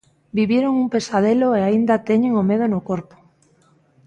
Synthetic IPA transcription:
biβjeɾoŋumpe̞sað̞eloeaind̪at̪eɲeŋomeð̞onokoɾpo̥

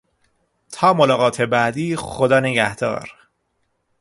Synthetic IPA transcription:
t̪ʰɒːmolɒːɣɒːt̪ʰe̞bæd̪iːxod̪ɒːneɟæhd̪̥ɒ̰ːɾ

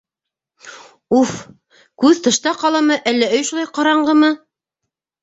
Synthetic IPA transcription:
uf | kʉðt̪ɤ̆ʃt̪ɑqɑlˠɑmɤʔælːæɵ̆jʃulˠɑjqɑɾɑɴɢɤmɤ

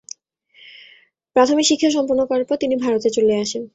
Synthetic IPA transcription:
pɾat̪ʰomikʃikʰːeʃ̬ɔmpuɾnokɔaɾpɔt̪inibʱaɾot̪et͡ɕoleaʃen

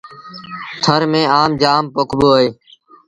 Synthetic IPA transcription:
t̪ʰəɾmẽːaːmd͡ʒaːmpokʰboːeː

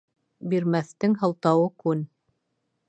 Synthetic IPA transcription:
biɾmæθt̪ɘŋɦɤ̆lˠt̪ɑwɤkʉn

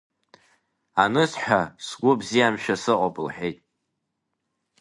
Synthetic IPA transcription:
anɨsħʷᶣasɡʷʊbzijamʃᶣasɨqʼopʼɨlħejtʼ

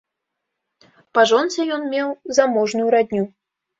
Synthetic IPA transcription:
paʐɔnt͡sʲɛjɔnmʲɛwzamɔʐnujuɾad̪ʲnʲu

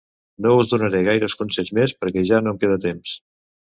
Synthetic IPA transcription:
nouzðunəɾeɣajɾəskunsɛʎzmespəɾkɛʒanomkeð̞ət̪ems

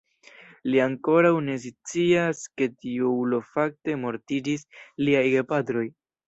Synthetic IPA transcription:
liaŋko̞ɾawne̞s̬it͡siaske̞tiuulo̞fak̚te̞mo̞ɾtid͡ʒisliajɡepatɾo̞j

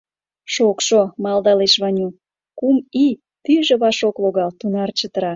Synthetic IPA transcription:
ʃokʃomɑlˠd̪ɑleʃβɑnʲu | kumi | t̪yʒeβɑʃokloɣɑlt̪unɑrt͡ɕət̪əɾɑ

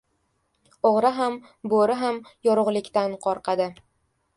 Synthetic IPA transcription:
oʁɾaɦam | boɾɪɦamjɒɾʊʁlˠɪkʲt̪anqʰɒɾqʰɑd̪ɪ

